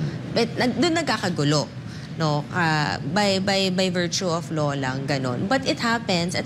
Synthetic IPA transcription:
bɛt̪nɐd̪ʊnːɐɡkaːkɐɡʊlo | nokabɐjbɐjbɐjvɛɹt͡ʃuɔfloːlɐŋɡɐno̞̰nbɐt̪ɪt̪hapɛnsɐt̪

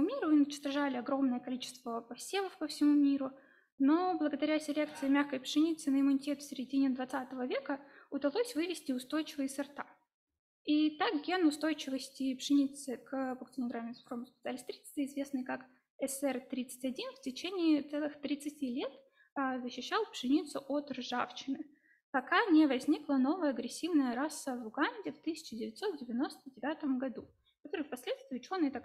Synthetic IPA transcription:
umʲiɾʊʊnʲɪt͡ɕʂt̪ɐʐalʲɪɐɡɾo̞mnəjəkɐlʲit͡ɕɪ̥st̪vəpɐsʲevˠəfpəfsʲɪmumʲiɾʊ | no̞blˠəɡəd̪ɐɾʲasʲɪlʲe̞k̚t̪sɨɪmʲaxkəjpʂɨnʲit̪sɨnəɪmʊnʲɪtʲe̞t̪fsʲɪɾʲɪdʲinʲɪd̪vɐt̪sat̪əvəvʲe̞kəʊd̪ɐlˠo̞sʲvɨvʲɪsʲtʲɪʊst̪o̞jt͡ɕɪvəjɪsɐrt̪a | it̪akɡʲenʊst̪o̞jt͡ɕɪvəsʲtʲɪpʂɨnʲit̪sɨkpəkt̪sɨnʲɪɡ̪ɾamʲɪnsxɾomspʲɪt̪salʲist̪ɾʲit̪sɨ̥t̪ʲɪɪzvʲe̞snɨjkak | ɛsɛrt̪ɾʲit̪sɨ̥tʲɐdʲinftʲɪt͡ɕenʲɪiːt̪sɛlˠɨxt̪ɾʲɪt̪sɨtʲilʲe̞t̪ | zəɕːɪɕːalˠpʂɨnʲit̪sʊʔot̪rʐaft͡ɕɪnɨ | pɐkanʲevɐzʲnʲiklˠəno̞vəjəɐɡɾʲɪsʲːivnəjəɾasːəvˠʊɡanʲdʲɪft̪ɨsʲɪ̥t͡ɕɪdʲɪvʲɪt̪ʲso̞t̪̚dʲɪvʲɪno̞st̪ədʲɪvʲat̪əmɡɐd̪u | kɐt̪o̞ɾɨjfpɐsʲlʲet̪st̪vʲɪʊt͡ɕo̞nːɨjɪt̪ak

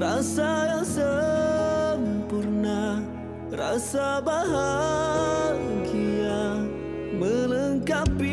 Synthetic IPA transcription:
rasajaŋsə | mpurna | ra̰sabaɦa | nkia | mələŋkabi

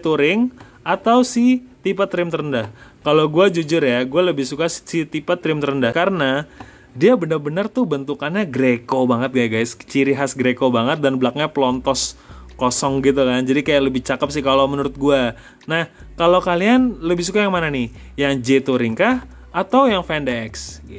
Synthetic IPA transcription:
t̪uɾɪŋ | at̪awsɪt̪ipat̪ːɾɪmt̪əɾəndahkaloɡuad͡ʒud͡ʒʊrjaɡualəbɪhsukasit̪ipat̪ːɾɪmt̪əɾəndakaɾəna | diabənərbənərt̪ubənt̪ukanɲaɡɾekobaŋət̪̚ɡajɡajst͡ʃiɾiɦasɡɾekobaŋət̪̚danbəlak̚ɲapəlɔnt̪ɔskɔsɔŋɡit̪̬ukand͡ʒadikajaləbɪht͡ʃakəp̚sɪhkalawmənuɾʊt̪̚ɡua | nah | kalowkalianləbɪhsukajaŋmananɪh | jaŋd͡ʒet̪uɾiŋkahː | t̪awjaŋfɛndɛɛks

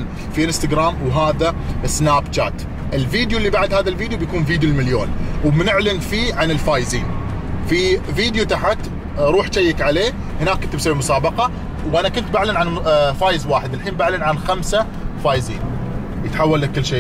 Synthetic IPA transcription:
n | fiʔɪnst̪aɡɾaːmwɦaːðasnaːbt͡ʃa̰ːt̪ | ʔɪlfiːd̪juʔlːibaʕd̪haːðalfiːd̪jubjakuːnfiːd̪julmɪljoːnwmnɪʕlɪnfiːʕanɪlfaːjɪziːn | fifiːd̪jut̪aħat̪ | ɾˤuːħʃajːakʕaleː | hɪnaːkːʊnt̪bsaʕimʊsaːbɑqɑ | wʔanakʊnt̪baʕlɪnʕanfaːjɪzwaːħɪd̪ɪlħiːnbaʕlɪnʕanxamsa | faːjzḭːn | jət̪ħawːalːakːɪlːʃeː

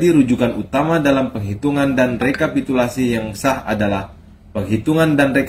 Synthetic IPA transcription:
diɾud͡ʒukanut̪amadalampəŋɦit̪uŋandanrekapit̪ulasijaŋsaha̰dalah | pəŋɦit̪uŋandanrek

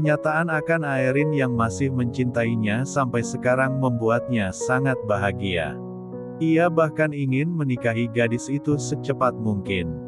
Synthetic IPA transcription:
kəɲat̪aʔanakanaiɾɪnjaŋmasɪhməɲt͡ʃint̪aiɲasampajsəkaɾaŋməmbuat̪̚ɲasaŋat̪̚baɦaɡia̰ | iabahkaniŋɪnmənikaɦiɡadɪsit̪usət͡ʃəpat̪̚muŋkɪn

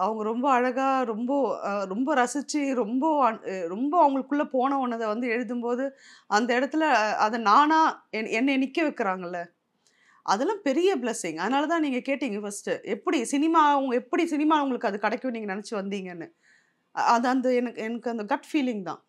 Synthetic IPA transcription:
ɐʋɐŋɡɐɾɔmbɐɐɻɐɣaːɾɔmbɐɾɔmbɐɾɐsɪt͡ʃːiɾɔmbɐɐɾɔmbɐɐʋɐŋɡɐɭɯkːɯɭːɐpoːnɐ̃onːɐðɐʋɐnd̪ɯɛɻɯðɯmpoːðɯ | ɐnd̪ɐɪɽɐt̪ːɪlɐɐðɐnaːnaːɛɛnːɐɛnɪkːɐʋɛkːɪɾaːŋɡɐlːɐ | ʔɐðɐlãːpɛɾɪjɐblɛsɪŋɡɐðɐnaːlɐt̪ãːniːŋɡɐkeːʈːiːŋɡɐfɐsʈɯʔɛpːɐɽisɪnɪmaːɐɐŋɡɐɛpːɐɽisɪnɪmaːʊŋɡɐɭɯkːɯɐðɯkɐɽɐkːʊ̃niːŋɡɐnɐnɛt͡ʃːɯʋɐnd̪iːŋɡɐnːɯ | ɐðɐnd̪ɐɛnɐkːɯɛnɐkːɯɐnd̪ɐɡɐʈfiːlɪ̃ŋt̪ã̰ː

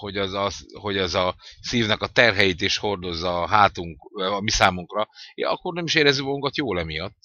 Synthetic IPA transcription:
ho̞ɟɛzɒho̞ɟɛzɒsiːvnɛkɒt̪ɛrɦɛjit̪eːʃho̞rd̪o̞zːɒːɦaːt̪uŋkːɒmisaːmuŋkrɒeɒ̰kːo̞rnɛmiʃeːɾɛzːykmɒɡuŋkɒt̪joːlɛmijɒt̪ː

